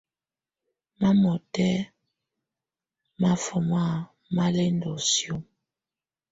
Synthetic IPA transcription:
ma˦mɔ˨tɛ˦ | ma˦fɔ˨ma˦˨ | ma˦lɛ˦ndɔ˨sjo˦m

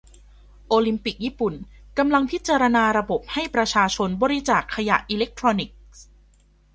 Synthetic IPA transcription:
ʔoː˧li˧mpi˨˩k̚jiː˥˩pu˨˩nka˧mla˧ŋpʰi˦˥t̪̚t͡ɕaː˧ɾa˧naː˧ɾa˧bo˨˩p̚ha˥˩jpɾa˧t͡ɕʰaː˧t͡ɕʰo˧nbɔː˧ɾi˦t͡ɕaː˨˩kʰːa˧ja̰˨˩ʔiː˧le˦˥k̚t̪ʰɾɔː˧ni˨˩k̚

